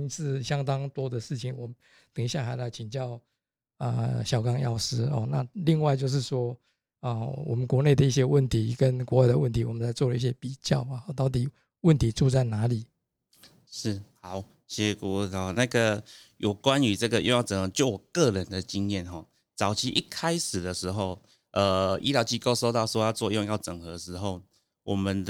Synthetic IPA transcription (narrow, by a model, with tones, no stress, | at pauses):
sɹ̩˥˧ɕjɑ˥ŋt̪ɑ˥ŋt̪wɔ˥d̪ə˨ʂɻ̩˥˩t͡ɕʰi˨˩nwɔ˨˩ | t̪ə˨˩ŋɕja˥˩xa˧˥ɪla˧˦ɪt͡ɕʰi˨ŋt͡ɕjɑ˥˨˩ʊ | ə̰˧ɕjɑ˨˩ʊkɑ˥ŋjɑ˥˩ʊʂ̩˥xɔ̰˥˨na̰˥˧˨li˥˧ŋwa˥˧ɪt͡ɕjo˥˧ʊʂ̬ɻ̩˥˩ʂwɔ˥ | ə˧wɔ˨˩mə˦nkwɔ˧˥ne˥˩ɪd̪ə˩i˥˩ɕ̬jɛ˦˥wə˥˨˩nt̪ʰi˨˥kə˦nkwɔ˧˥wa˥˩ɪdə˨wə˥˩nt̪ʰi˧˥wɔ˨˩mə˦nt͡sa˧˥ɪt͡swɔ˥˩lə˦i˥˩ɕ̬jɛ˦˥pi˨˩t͡ɕjɑ˥˨ʊ˩˥˩t̪ɑ˥˩ʊt̪̬i˨˩ | wə˥˨nt̪ʰi˨˦t͡su˥˧t͡sa˥˩ɪna˧˥li˨˩˦ | ʂ̩˥˩ha˨˩˦ʊ | ɕjɛ˥ku˥˧˥xɔ˨˩na˥˧ɡə˨ | jo˨˩ʊkwa˦ny˧˥t͡sə˥˩ɡə˨jo˥˧ŋjɑ˥˨ʊt͡sə˨˩ŋxɤ˧˦t͡ɕjo˥˩ʊwɔ˨˩kɤ˥˨ɻə˨˦nd̪ə˨t͡ɕi˦ŋjɛ˥˨nxɔ˥˩ | t͡sɑ˨˩ʊt͡ɕʰi˧˥ʔi˥˩kʰa˦˥ɪʂɻ̩˨˩d̪ə˨ʂɻ̩˧˥xo˥˧ʊ | ʔə˨˩ḭ˥ljɑ˧˥ʊt͡ɕi˥˧ko˥ʊso˥ʊt̪ɑ˥˧ʊswjɑ˥˧ʊt͡swɔ˥˧jo˥˧ŋjɑ˥˩ʊʈ͡ʂə˨˩ŋxɤ˧˦ʂɻ̩˧˥xo˥˩ʊ | wʔɔ˨˩mə˨˦n